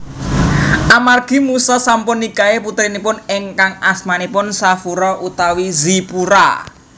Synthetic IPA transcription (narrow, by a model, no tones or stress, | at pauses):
ʔamarɡ̥i̤musɔsampʊnːikaeput̪ɾinipʊneŋkaŋasmanipʊnsafuɾɔʔut̪awizipuɾa̰